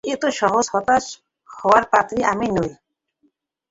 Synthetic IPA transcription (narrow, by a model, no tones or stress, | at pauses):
et̪oʃɔɦoshɔt̪aʃ | hɔwaɾpat̪ɾiʔaminoj